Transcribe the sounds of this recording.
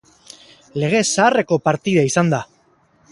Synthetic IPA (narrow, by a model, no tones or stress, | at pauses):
le̞ɣ̞e̞saːre̞ko̞paɾt̪iðaisand̪a